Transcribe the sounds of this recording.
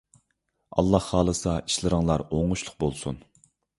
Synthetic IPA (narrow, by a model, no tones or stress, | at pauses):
ɑ̰lˠːɑhːɑːlˠɨsɑi̥ʃlˠɨɾɨŋlˠɑɾoŋʊʃlˠʊq̚bolˠsun